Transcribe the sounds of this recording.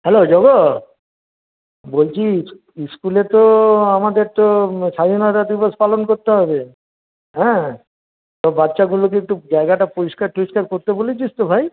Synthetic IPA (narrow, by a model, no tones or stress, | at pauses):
ɦɛlod͡ʑɔɡo | bolt͡ɕʰi | iskulet̪oamad̪eɾt̪osajonaɾad̪ibospalonkoɾt̪eɦɔbe | ɦɛ̃ | t̪ɔbatːʃaɡulokeek̚ʈud͡ʑaeɡaʈapoɾiskaɾpoɾiʃkaɾkoɾt̪ebolit͡ɕʰist̪obʱaj